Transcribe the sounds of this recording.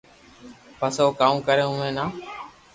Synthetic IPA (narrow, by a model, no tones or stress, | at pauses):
pəsoːkaːũːkəɾeːɦʊmẽːnaː